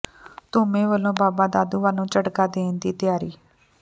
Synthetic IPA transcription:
t̪ʊmẽːʋəlːõːbaːbaːd̪aːd̪uːʋaːlũːt͡ʃəʈkaːd̪eːnd̪iːt̪ɪjaːɾiː

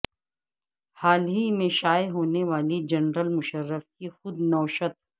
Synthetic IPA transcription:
haːlɦimẽʃaːjɦoːneʋaːlid͡ʒɐnɾəlmʊʃəɾːəfkixʊd̪nɔːʃət̪̚

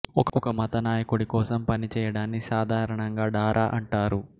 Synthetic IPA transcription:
ɔkɔkɐmɐt̪ɐnaːjɐkuɽikɔːsɐmpɐnit͡ʃɛːjɐɽaːnːisaːd̪ʱaːɾɐɳɐŋɡaːɖaːɾʔaːʔɐɳʈaːɾu

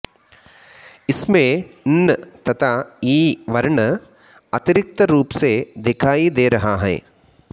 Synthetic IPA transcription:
ismeːnːɐt̪ɐt̪ʰaiːʋɐɾɳɐ | ɐt̪iɾik̚t̪ɐɾuːpseːd̪ekʰaːjid̪eːɾɐɦaːɦɐ̰

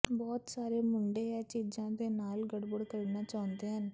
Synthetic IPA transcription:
bɔːt̪saːɾeːmʊɳɖeːɛt͡ʃiːd͡ʒãːd̪eːnaːlɡəɽbəɽkəɾnaːt͡ʃaːʊ̃nd̪eːɦən

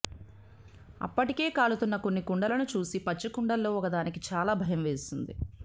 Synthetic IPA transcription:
ɐ̰pːɐʈike̞ːkaːlut̪unːɐko̞nːikuɳɖɐlɐnut͡ʃuːsipɐt͡ʃːikuɳɖɐlːo̞ːɔkɐd̪aːnikit͡ʃaːlaːbʱɐjɐmʋe̞ːsund̪ḭ

